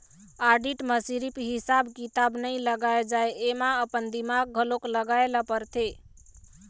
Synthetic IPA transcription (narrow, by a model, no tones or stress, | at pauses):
aɾɖiʈməsiɾipɦisabkit̪abnəĩləɡaed͡ʒaeemaəpənd̪imaɡ̚ːʱəlokləɡaelapəɾt̪ʰe